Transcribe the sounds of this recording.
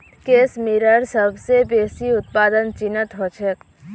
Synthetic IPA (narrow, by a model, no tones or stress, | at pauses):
keːsmiɾəɾsəbʱsebeːsiʊt̪̚paːd̪ənt͡ʃɪnət̪ɦot͡ʃʰek